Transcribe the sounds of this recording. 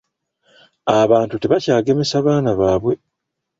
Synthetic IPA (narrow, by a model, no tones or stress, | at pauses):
aβaːntute̞βacaːɡe̞me̞saβaːnaβaːβwe̞